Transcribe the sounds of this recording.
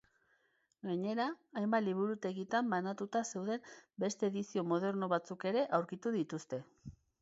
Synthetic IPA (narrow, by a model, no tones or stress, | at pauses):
ɡaɲe̞ɾaːjmbaliβ̞uɾut̪e̞ɣit̪ambanat̪ut̪ase̞wðe̞mbe̞st̪e̞ːðisio̞mo̞ð̞e̞ɾno̞β̞at͡suke̞ɾe̞ʔawɾkit̪uðit̪ust̪e̞